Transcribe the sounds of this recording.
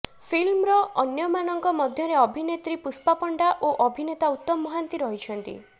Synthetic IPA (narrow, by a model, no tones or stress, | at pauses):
pʰilmɾɔɔnjɔmanɔŋkɔmɔd̪ʱjɔɾeɔbʱinet̪ɾipuspapɔɳɖaʔoʔɔbʱinet̪aut̪ːɔmːɔɦant̪iɾɔɦit͡ʃʰɔnt̪ḭ